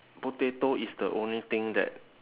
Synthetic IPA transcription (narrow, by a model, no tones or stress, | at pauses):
botet̪oisdəʔõnlit̪ɪ̃ŋdɛ̰t̚